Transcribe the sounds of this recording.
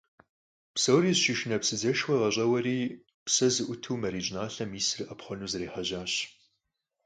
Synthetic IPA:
psowriːzʃɪʃɪnɐpsɨzɐʃwʷɐʁɐɕʼɐwɐɾiː | psɐzɨʔʷʊtʰuːmɐɾiːd͡ʒɪnaːɬɐmiːsɨrʔɐpχʷɔnuːzɨreːħɐʑaːɕ

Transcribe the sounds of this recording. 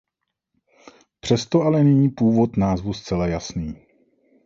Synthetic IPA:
pr̝̥ɛst̪oalɛnɛɲiːpuːvo̞t̪naːzvust͡sɛlajasniː

